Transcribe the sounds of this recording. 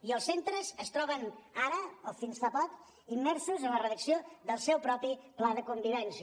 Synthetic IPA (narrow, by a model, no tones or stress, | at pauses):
iəlˠsent̪ɾəzəst̪ɾɔβənaɾəofinsfapɔk | imːɛɾsuzənlərəðəksioðəlˠsɛwpɾɔpiplaðəkumbiβɛnsi